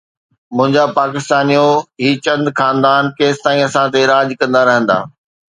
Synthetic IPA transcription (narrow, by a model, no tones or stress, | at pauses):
mʊ̃ɦɪ̃ɲd͡ʑapaːkɪst̪aːnijoɦiːt͡ɕɐ̃nd̪xaːnd̪aːnkeːst̪aːĩɐsãt̪̬eɪɾaːd͡ʑkɐ̃nd̪aɾɐɦə̃nd̪a̰ː